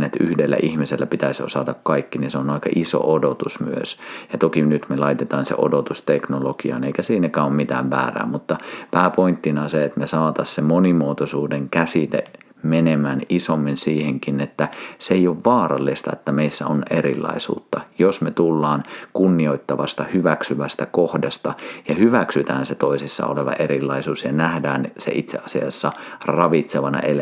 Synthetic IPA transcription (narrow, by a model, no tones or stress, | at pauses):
net̪yhdelːæ̰ʔihmiselːæpit̪æisʲosɑt̪ɑkkɑikːininseonɑˑikɑ̰ʔiso̰ʔodot̪usmyø̰sjɑt̪okinyt̪melɑit̪et̪ɑːnsḛʔo̰dot̪ust̪eknolokiɑ̰neikæsiːnekæːommit̪æ̰ːʋʋæ̰ːræ̰ːmut̪ːɑpæːpoint̪ːinɑseet̪mesɑːt̪ɑssemonimuot̪osuːdeŋkæsit̪ḛ | menemæːnisomːinsiːheŋkinet̪ːæseeioʋʋɑːrɑ̰lːist̪ɑ̰et̪ːæmeisːæ̰onerḭlˑːɑ̰isṵːt̪ːɑjosmet̪ulːɑːnkunːioit̪ːɑʋɑst̪ɑhyʋæksyʋæst̪ækohdɑst̪ɑjɑhyʋæksyt̪æːnset̪oisisːɑ̰o̰leʋɑ̰ʔerilːɑisuːsjɑnæhdæːnsḛʔit̪sḛʔɑsiɑsːɑrɑʋit̪seʋɑnɑ̰ʔel